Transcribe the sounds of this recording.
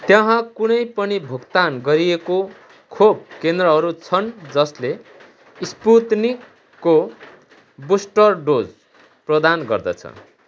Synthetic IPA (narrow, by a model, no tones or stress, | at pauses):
t̪jʌ̃ɦãkunʌjpʌnibʱukt̪anɡʌɾieko | kʰob̚kend̪rʌɦʌɾut͡sʰʌnd͡zʌsle | isput̪nikː | o | busʈʌrɖod͡z | prʌd̪anɡʌrd̪ʌ̰t͡sʰʌ̰